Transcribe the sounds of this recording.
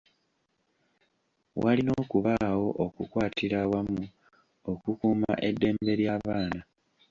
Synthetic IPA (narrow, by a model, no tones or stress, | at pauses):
wʔalinoːkuβawo̞ʔokukwaːtʰiɾawamu | o̞kukuːma̰ʔe̞dːe̞ːmbe̞ɾjaːβaːna